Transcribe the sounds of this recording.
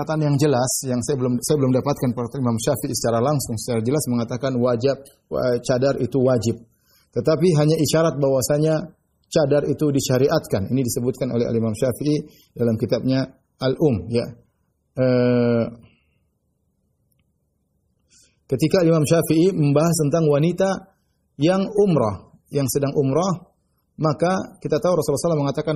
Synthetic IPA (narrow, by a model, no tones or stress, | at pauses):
at̪anjaŋd͡ʒəlasjaŋsajabəlʊmsajabəlʊmdapat̪̚kanpəkat̪aimamʃafiʔisə̥t͡ʃaɾalaŋsʊŋsə̥t͡ʃaɾad͡ʒəlasməŋat̪akanwad͡ʒap̚ | ət͡ʃadarit̪uwad͡ʒɪp̚ | t̪ət̪apiɦaɲaʔiʃaɾat̪̚bawasaɲa | t͡ʃadarit̪udiʃaɾiʔat̪̚kaninidisəbʊt̪̚kano̰lɛha̰limamʃafii | dalamkit̪ab̚ɲa | alʔʊmja | ə | kət̪ikaːlimamʃafiʔiməmbaɦast̪ənt̪aŋwanit̪a | jaŋumɾɔh | jaŋsədaŋʔumɾɔ | makakit̪at̪auɾɔsulasəlaməŋat̪akan